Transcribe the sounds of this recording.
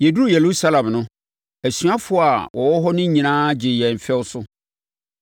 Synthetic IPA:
je˨du˦ɾu˦˨je˨lu˦sa˦lã˨mnʊ̃˦ | æ˨sɥa˦fʊ˨˦˨a˨wʔɔ˨wɔ˦ɦɔ˦nʊ̃˦ɲĩ˨nãː˦d͡ʑɪ˨jɛ˨m˨fɛ˦wsʊ˦

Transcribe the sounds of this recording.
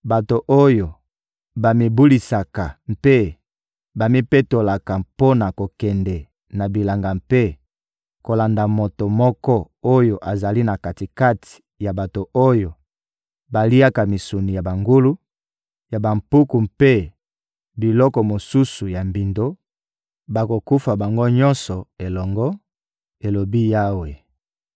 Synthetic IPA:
ba˨to˨ʔo˦jo˨ | ba˨mi˨bu˦li˨sa˨ka˨mpe˦ | ba˨mi˦pe˦to˨la˨ka˨po˦na˨ko˨kɛ˨ndɛ˨ | na˨bi˨la˨ŋɡa˨mpe˦ | ko˨la˨nda˨mo˨to˨mɔ˦kɔ˦ | o˦jo˨ʔa˨za˨li˦na˨ka˨ti˨ka˦tʰi̥˨ | ja˨ba˨to˨ʔo˦jo˨ | ba˨li˦a˦ka˨mi˨su˨ni˨ja˨ba˨ŋɡu˦lu˦ | ja˨ba˨mpu˦ku˨mpe˦ | bi˨lɔ˦kɔ˨mo˨su˦su˨ja˨mbi˨ndo˦ | ba˨ko˨ku˦fa˨ba˨ŋɡo˦ɲɔ˦nsɔ˨e˨lɔ˨ŋɡɔ˦ | e˨lo˨bi˦ja˦we˨

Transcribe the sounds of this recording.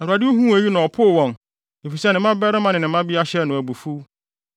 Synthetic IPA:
ɛ˨u˨a˨dɪ˦u˦ɦũ˦æ˨ji˦nã˨ɔ˨pʰʊ˦˨wɔ̃˨n | e˨fi˨sɛ˦nɪ̃˨mã˦bɛ˦ɾɪ˦mã˨nɪ̃˨nɪ̃˨˦ã˦bi˦a˦ɕɛ˦nʊ̃˨æ˨bu˨fu˦

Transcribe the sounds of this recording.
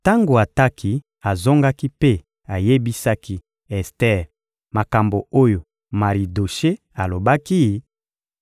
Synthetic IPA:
ta˦ŋɡo˨a˨ta˦ki˦ | a˨zo˦ŋɡa˦ki˦pe˦ | a˨je˦bi˦sa˦ki˦ | ɛ˨stɛ˦ʁ | ma˨ka˨mbo˨o˦jo˨ | ma˨ʁi˨do˨ʃe˦ | a˨lo˨ba˦ki˦

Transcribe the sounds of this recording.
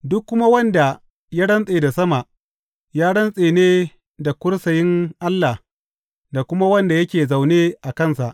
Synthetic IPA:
dʊ˦kːʊ˦ma˦wɐ˦nda˨ | ja˦ɽɐ˦nsʼeː˨da˨sɐ˦ma˨ʔ | jaː˦ɽɐ˦nsʼeː˨neː˦ | da˨kʷʊ˦ɽsɐ˨jɪ˦ŋʔa˦lːa˨h | da˨kʷʊ˦ma˦wɐ˦nda˨jɐ˦kʲeː˨za˨wneː˦ʔa˨kɐ˦nsa˨ʔ

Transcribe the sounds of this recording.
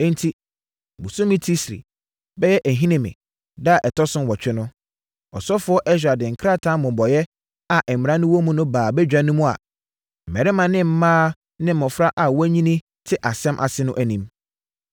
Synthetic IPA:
ɛ̃˦n˦tʰi˨ | bu˨sʊ̃˦mĩ˦tʰi˦sɾḭ˨ | bɛ˦jɛ˦ʔæ˨ɦĩ˦nɪ̃˨mɪ̰̃˨ | da˦a˨ʔɛ˨tʰɔ˦sʊ̃˦nwɔ˨t͡ɕᶣɪ˦nʊ̃˦ | ɔ˨sɔ˦fʊ˦ɔ˦ʔɛ˦ɕ̬ᶣɾa˨dɪ̃˨ŋ̩˨kʰɾa˦tʰã˦mʊ̃˨bɔ˨jɛ˦ | a˨ʔɛ˨m˨m˨ã˦nʊ̃˦wɔ˦mʊ̃˦nʊ̃˦baː˨bɛ˦d͡ʑᶣa˦nʊ̃˦mʊ̃˦a̰˨ | m̩˨mɛ˨ɾɪ˦mã˨nɪ̃˦m̩˨˦mãː˦ | nɪ̃˦m̩˨mɔ̃˨fɾa˦ʔa˨wæ˦ɲĩ˦nĩ˦ | tʰɪ˦ʔa˨sɛ̃˦mʔa̰˨sɪ˦nʊ̃˦ʔæ˨nĩ˦m

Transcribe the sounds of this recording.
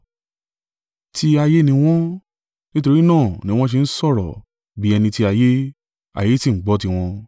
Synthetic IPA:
tʰi˧a˧je˦nĩ˧w̃ɔ̃˦ | nĩ˦to˧ɾi˦nãː˦˨nĩ˨˦w̃ɔ̃˦ʃ̬e˧n̩˦sɔ˦˨ɾɔ˨ | bi˨˦ɛ˧nĩ˧ti˧a˧je˦ | a̰˨je˦ti˦˨ŋ̩˨˦ɡ͡bɔ˨˦ti˧w̃ɔ̃˧

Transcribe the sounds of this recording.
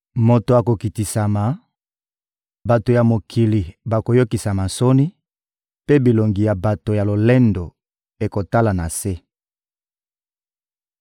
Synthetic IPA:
mo˨to˨a˨ko˨ki˨ti˨sa˨ma˨ | ba˨to˨ja˨mo˨kʰi˨li˨ba˨ko˨jo˦ki˨sa˨ma˨nso˦ni˦ | pe˦bi˨lo˨ŋɡi˨ja˨ba˨to˨ja˨lo˨le˦ndo˨ | e˨ko˨ta˦la˨na˨se˦

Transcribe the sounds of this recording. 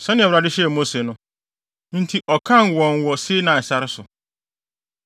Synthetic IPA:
sɛ̃˦nɪ̃˦ɛ˨ɾa˨dɪ˦ɕɛ˦˨mo˦se˨nʊ̃˦ | n̩˦tʰi˨ʔɔ˨kʰã˦˨nwɔ̃˨nwɔ˨se˦nã˨sa˦ɾɪ˦sʊ˨

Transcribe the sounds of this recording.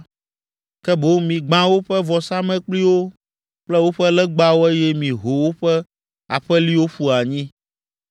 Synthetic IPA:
kɛ˦bo˦mĩ˨ɡ͡bã˦wo˦ɸɛ˦vɔ˨sa˦mɛ̃˦k͡pli˦wo˦ | k͡plɛ˦wo˦ɸɛ˦lɛ˦ɡ͡ba˦wo˦ɛ˦jɛ˦mĩ˨ɦo˨wo˦ɸɛ˦ | a˨ɸɛ˦li˦wo˦ɸu˦a˨ɲĩ˦

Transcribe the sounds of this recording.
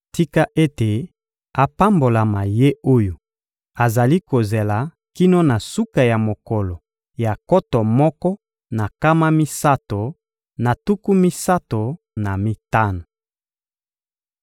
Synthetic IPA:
ti˦ka˦ʔe˦te˨ | a˨pa˦mbo˨la˨ma˨je˦o˦jo˨ | a˨za˨li˦ko˨ze˨la˨ | ki˦no˦na˨su˦ka˨ja˨mo˨kɔ˨lɔ˨ | ja˨kɔ˦tɔ˨mɔ˦kɔ˦ | na˨ka˦ma˦mi˦sa˦to˨ | na˨tu˦ku˦mi˦sa˦to˨ | na˨mi˦ta˦na˨

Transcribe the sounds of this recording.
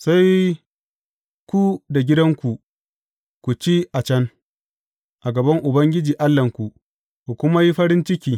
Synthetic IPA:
sa˦j | kʷu˦da˨ɡʲɪ˦dɐ˦ŋkʷu˨ | kʷu˨t͡ʃi˦ʔa˨t͡ʃɐ˦ŋ | ʔa˨ɡɐ˨bɐ˦ŋʔʊ˨bɐ˦ŋɡʲɪ˦d͡ʒiː˨ʔa˦lːɐ˨ŋkʷu˨ | kʷu˨kʷʊ˦ma˦ji˦ɸɐ˦ɾɪ˦nt͡ʃɪ˦kʲiː˨

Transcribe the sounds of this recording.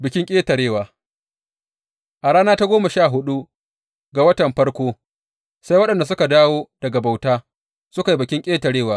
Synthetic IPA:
bɪ˨kʲɪ˦ŋkʲʼeː˦tɐ˨ɽeː˦waː˨ | ʔa˨ɽaː˦naː˦ta˦ɡʷoː˦ma˨ʃaː˦˨ɦʊ˦ɗu˦ | ɡa˨wɐ˦tɐ˨mɸɐ˦ɽkʷoː˦ | sa˦jwɐ˦ɗɐ˨nda˨s̬ʊ˦ka˨daː˦woː˦d̥ɐ˨ɡa˨ba˨wtaː˦ | sʊ˦ka˨ji˦bɪ˨kʲɪ˦ŋkʲʼeː˦tɐ˨ɽeː˦˨waː˦

